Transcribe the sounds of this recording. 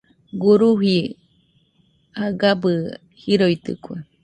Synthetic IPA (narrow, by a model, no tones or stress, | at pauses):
ɡuɾuɦi | aɡabɨ | hiɾojt̪ɨ̰kʷe